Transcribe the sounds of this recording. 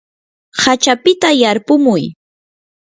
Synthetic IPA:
hat͡ʃapɪt̪ajaɾpʊmʊj

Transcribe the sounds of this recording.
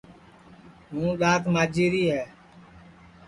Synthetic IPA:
ɦũːɗaːt̪maːd͡ʒiːɾiːɦɛː

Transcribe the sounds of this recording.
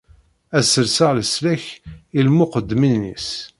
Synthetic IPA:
æsəlsəʁləslæçilmʊqəd̪ːminːḭs

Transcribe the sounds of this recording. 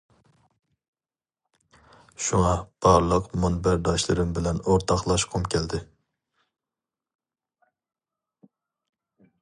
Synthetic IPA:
ʃuŋɑb̥ɑɾlˠəqmɑnbæɾd̪ɑʃlˠɨɾɨmbɪlɛnoɾt̪ʰɑχlˠɑʃqʰomkʲʰɛld̪ɪ

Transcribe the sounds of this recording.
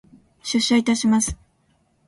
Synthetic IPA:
ɕɨɕːait̪aɕimasɨ̥

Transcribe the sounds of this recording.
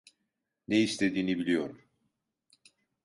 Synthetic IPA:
neist̪ʰe̞d̪iːnibilʲijo̞ɾum

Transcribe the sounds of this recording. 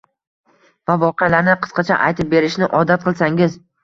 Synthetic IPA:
vavɒqɨalaɾnɪqʰɨ̥sqɑt͡ʃʰa̰ʔa̰jt̪ʰɪp̚be̞ɾɪʃnɪʔɒd̪at̪̚qʰɨlˠsaŋɪz

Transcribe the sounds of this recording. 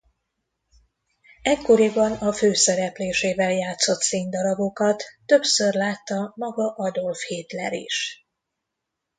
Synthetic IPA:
ɛkːo̞ɾibɒnɒføːsɛɾɛpleːʃeːvɛljaːt̪so̞t̪seːnd̪ɒɾɒbo̞kɒt̪ːø̞psørlaːt̪ːɒmɒɡɒʔɒd̪o̞lfheːt̪lɛɾḭʃ

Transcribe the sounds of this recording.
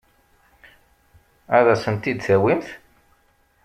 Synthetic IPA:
æðæsənt̪id̪θæwimθ

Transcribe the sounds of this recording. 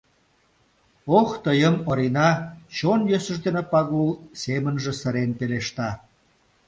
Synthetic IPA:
oxt̪əjəmoɾinɑt͡ɕonjøsə̆ʒd̪enepɑɣulsemənʒĕsə̆ɾenpeleʃt̪ɑ

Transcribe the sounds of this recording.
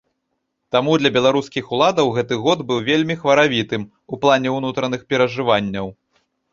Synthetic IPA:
t̪amud̪lʲɐbʲɛlˠaɾuskʲixulˠad̪ɐwɣɛt̪ɨɣɔd̪bɨwvʲelʲmʲixvɐɾavʲit̪ɨm | uplˠanʲɛwnut̪ɾɐnɨxpʲɛɾɐʐɨvanʲːɐw

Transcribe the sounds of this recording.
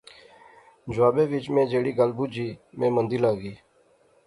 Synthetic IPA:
d͡ʒwaːbẽːʋɪt͡ʃmẽːd͡ʒeːɽiːɡəlbuːd͡ʒiːmẽːmənd̪iːlaːɡiː

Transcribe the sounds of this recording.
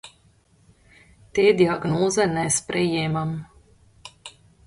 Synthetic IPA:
t̪eːd̪iaɡnɔːzɛnɛspɾɛjɛːmam

